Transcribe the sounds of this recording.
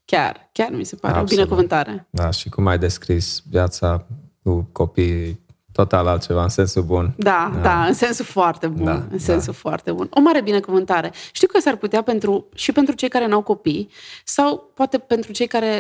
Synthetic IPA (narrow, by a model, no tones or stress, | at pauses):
kʲa̰rkʲarmise̞pa̰ɾḛobinekuvɨnt̪aɾe̞d̪aʃikumajd̪e̞skɾisvjat̪sakuko̞pij | t̪ot̪alalt̪̚t͡ʃe̞vaɨnsensubund̪add̪aɨnse̞nsufoart̪e̞bunɨnse̞nsufoa̰rt̪e̞buno̞maɾe̞binekuvɨnt̪aɾe̞ʃt̪iwkəsarput̪eape̞nt̪ɾuʃipe̞nt̪ɾut͡ʃe̞jkaɾe̞nawko̞pijsawpoat̪e̞pe̞nt̪ɾut͡ʃe̞jkaɾe̞